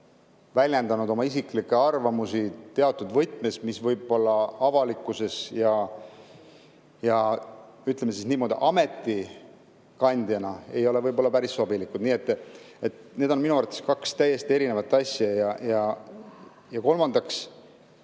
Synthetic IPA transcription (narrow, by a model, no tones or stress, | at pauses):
vælʲjend̪ɑnud̪o̞mɑisiklikːˑe̞ɑrvɑmusit̪e̞ɑt̪ːˑud̪vɤjt̪ˑme̞smisvɤjbo̞lːɑɑvɑlikːˑuse̞sjɑ | jɑyt̪ˑlemːes̬isniːmo̞ːd̪ḭʔɑme̞t̪ːˑi | kɑnʲd̪jɑnɑe̞jo̞le̞vɤjbo̞lːɑpæɾissobilikud̪̥niːe̞t̪ːˑ | e̞t̪ne̞ːd̪o̞nminuɑrt̪ːˑe̞skɑkst̪æjːe̞st̪ie̞ɾine̞vɑt̪ˑːɑsʲjɑjɑjɑ | jɑko̞lmɑnd̪ɑks